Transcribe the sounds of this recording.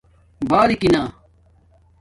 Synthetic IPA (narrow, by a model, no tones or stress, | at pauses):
baːɾikinaː